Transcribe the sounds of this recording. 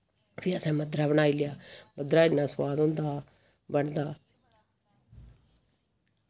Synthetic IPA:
piəsɛ̃ːməd̪ɾaːβəɽ̃aːiːlɪjaːməd̪ɾaːɪnːãːsəwaːd̪õːnd̪aː | bəɳd̪aː

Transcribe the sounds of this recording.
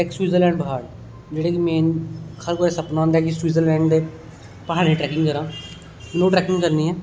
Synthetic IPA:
ekswiːzəɾlɛ̃ːɳɖbaːɽ | d͡ʒeːɽeːkimẽːkʰəɾkoːɾesəpnaõːnd̪aːkiswiːzəɾlɛ̃ːɳɖd̪eː | pəɦaːɽẽːʈɾɛːkɪ̃ŋɡkəɾãː | mɪnoːʈɾɛːkɪ̃ŋɡkəɾniːɦɛː

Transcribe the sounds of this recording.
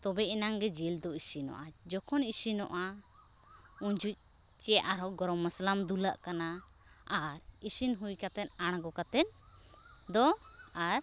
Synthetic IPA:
t̪ɔbɛʔinaŋɡɛd͡ʒild̪ɔisinɔ̰ʔad͡ʒɔkʰɔnisinɔ̰ʔa | uɲd͡ʒuc̚ˀ | t͡ʃɛʔaɾɔɡɔɾɔməslamd̪ulaʔkana | aɾisinɦujkat̪ɛnaɽ̃ɡɔkat̪ɛn | d̪ɔaɾ

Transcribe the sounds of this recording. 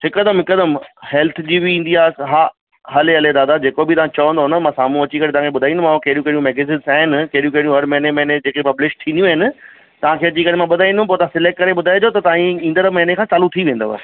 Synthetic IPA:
hɪkəd̪əmɦɪkəd̪əmhɛːlt̪ʰd͡ʑiːbiĩːn̆d̪iaːɦaː | ɦɐleɦɐled̪aːd̪ad͡ʑeːkobɪt̪ɐʋ̤ãt͡ɕɐʋə̃nd̪oɦʊnɐmãsaːmũɐt͡ɕikɐɽẽt̪ʋ̤ɦãkʰeɓʊd̪ʱaːĩnd̪mãkɐɦɾijũkɐɽijũmɛːɡeziːnsaːɦɪnɪkɐɦɾijũkɐɦɽijũɦɐɾmɛɦɪnemɛɦɪned͡ʑeːkepɐblɪʃ̚t̪ʰĩːnd̪jũaɦɪnɪ̆ | t̪ɐʋ̤ãkʰeɐt͡ɕikɐɽemãɓʊd̪ʱaːĩnd̪ʊ̃npoːt̪ɐãsɪleːk̚kɐɾeɓʊd̪ʱaːed͡ʑot̪ɐt̪ɐãĩĩːnd̪əɾmɛɦɪnekʰãːt͡ɕaːlut̪ʰiʋẽːn̆d̪o̰ʋɐ̰s

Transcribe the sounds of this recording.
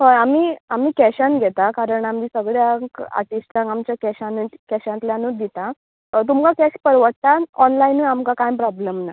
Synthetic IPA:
hɔamiːamiːkɛɕanɡʱɛt̪akaɾəɳamiːsəɡɭjaka̰ʈisʈɾãŋkamt͡ɕjakɛɕãnut̪kɛɕãnt̪ljãnuːd̪it̪a | t̪̬umkakɛɕpəɾʋəʈ̚t̪aɔnlainuamkakajpɾɔbləmna

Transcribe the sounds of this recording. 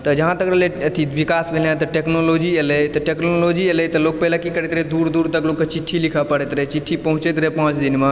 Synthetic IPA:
t̪əd͡ʒəɦãt̪əkɾəɦlet̪ʰit̪bikasbʱelɦãt̪ɔʈeknolod͡ʒielɛt̪ɔʈeknolod͡ʒielɛt̪ɔlok̚pɛɦlakikəɾɛt̪ɾɛd̪uɾd̪uːɾt̪əklokːet͡ʃiʈʰːilikʰəpəɽɛt̪ɾət͡ʃiʈʰːipəɦũt͡ʃet̪ɾɛpãt͡ʃd̪inme

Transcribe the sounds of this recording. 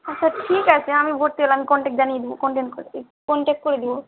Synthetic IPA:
at͡ɕːʰaʈʰikat͡ɕʰeamibʱoɾt̪eelãamikɔɳʈek̚ʈd͡ʑanijed̪ibokɔɳʈeɳʈkoe | kɔɳʈek̚ʈ̚koɾed̪ibo

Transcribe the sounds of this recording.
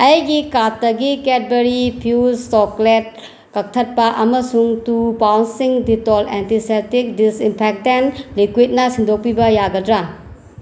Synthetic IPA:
ɐjɡikatːɐɡiket̚beɾipʰjustoklet̚ | kɐk̚tʰɐt̚pɐʔɐmɐsuŋtubawnsiŋditolentisetik̚disimpʰek̚tenlikwit̚nɐsindʱok̚pibɐjaɡɐdɾa

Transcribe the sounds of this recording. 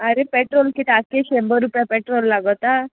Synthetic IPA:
ɐɾepeʈɾoːlkit̪akeʃembɐɾupjapeʈɾoːlːaɡɔt̪ːa

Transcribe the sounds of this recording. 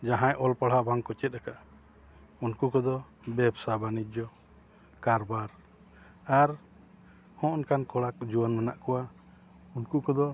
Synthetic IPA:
d͡ʒaɦãjʔɔlpaɽ̤abaŋkɔt͡ʃɛt̪̚ɾakaʔ | unkukɔd̪ɔ | bɛbsabanid͡ʒɔ | kaɾbaɾ | aɾ | hɔ̃ʔɔnkankɔɽakd͡ʒuanmanaʔkɔwa | unkukɔd̪ɔ

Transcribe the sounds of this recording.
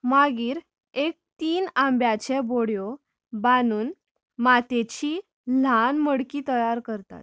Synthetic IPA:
maɡiːɾ | ek̚t̪iːnambjat͡ɕɛboɽjɔ | banuːn | mat̪et͡ɕiː | lanməɽkiːt̪əjaɾkəɾt̪a̰t̪̚

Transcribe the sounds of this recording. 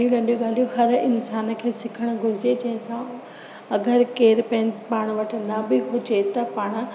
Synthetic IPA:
iũɽɐ̃ɳɖijoɡaːl̤ijoɦɐɾɪnsaːnə̆kʰeːsɪkʰəɽ̃̆ɡʱʊɾɪd͡ʑed͡ʑɐ̃ɦɪ̃sã | ɐɡəɾkeːɾpɐ̃ɪ̃npaːɽ̃ʋɐʈ̆ʰnɐbɪɦʊd͡ʑet̪ɐpaːɽ̃̆

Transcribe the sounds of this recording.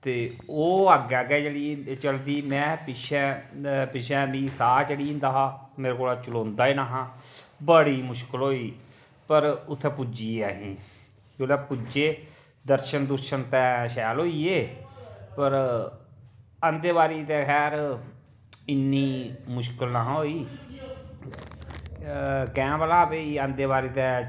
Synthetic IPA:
t̪eː | oːaɡɛɡɛːt͡ʃəɽiːt͡ʃəld̪iːmɛ̃ːpɪʃɛ̃ːpɪʃɛ̃ːmĩːsaːt͡ʃeɽĩːnd̪aːɦaːmeːɾekoːlaːt͡ʃəlõːnd̪aːiːnaːɦãːbəɽiːmʊʃkəlɦoːiː | pəɾʊt̪ʰːɛ̃ːpʊd͡ʒiːɛːɦĩː | d͡ʒoːlɛːpʊd͡ʒeː | d̪əɾʃənd̪ʊɾʃənt̪ɛːʃɛːlɦoːiːeː | pəɾ | ənd̪eːβaːɾiːt̪ɛːkʰɛːɾ | ɪnːiːmʊʃkəlnaːɦãːɦoːiː | kɛ̃ːpəlaːpeiːənd̪eːβaːɾiːt̪ɛː

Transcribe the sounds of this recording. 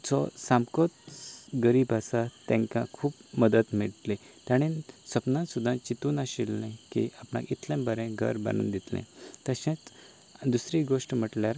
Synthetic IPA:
t͡sɔsamkɔt̪ɡəɾiːbasat̪ɛ̃ŋkãkʰuːpməd̪ət̪miɭʈle | t̪aɽ̃ĩsəpnãsud̪ʱːãt͡ɕit̪uːnaɕilːɛ̃kḭapnã̰kit̪ʰlãbəɾɛ̃ɡʱə̰ɾba̰nuːnd̪it̪lɛ̰̃t̪əɕãt͡s | d̪usɾiɡoʂʈm̤əʈljaɾ

